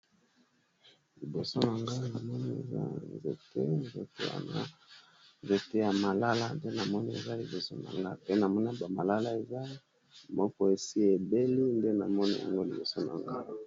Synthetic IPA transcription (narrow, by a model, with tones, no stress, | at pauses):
li˨bo˨so˦na˨ŋɡa˦na˨mɔ˦ni˦ḛ˨za̰˦nzḛ˨tʰḛ˦nzḛ˨te˦a̰˨a˦ | nze˨te˦ja˨ma˨la˦la˦nde˦na˨mɔ˦ni˦ḛ˨za˦li˨bo˨so̰˦na̰˨ŋɡa˦pe˦na˨mɔ˦na˦ba˨ma˨la˦la˦e˨za˦ | mɔ˦kɔ˦e˨si˦e˨be˦li˦nde˦na̰˨mɔ˦nḭ˦ja̰˨ŋɡo˦li˨bo˨so˦na̰˨ŋɡa˦